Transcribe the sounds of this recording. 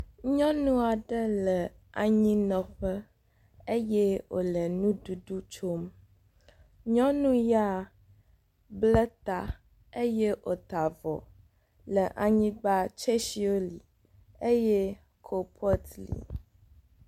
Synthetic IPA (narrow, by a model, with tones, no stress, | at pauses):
ɲɔ̃˦nũ˦a˨ɖə˦lə˨ | a˨ɲĩ˦nɔ̃˨ɸə˦ | e˦jɛ˦wo̰˨lə˨nũ˦du˨ɖu˦t͡ʃo˦m | ɲɔ̃˦nũ˦ja˦˨ | blə˦t̪a˨ | e˦je˦ʔo˨t̪a˨vɔ̰˨ | lə˨ʔa˨ɲĩ˦ɡ͡ba˦t͡ʃe˦ʃi˦o˦li˨ | e˦jɛ˦ | kʰo˨pʰɔ˦t̪lḭ˨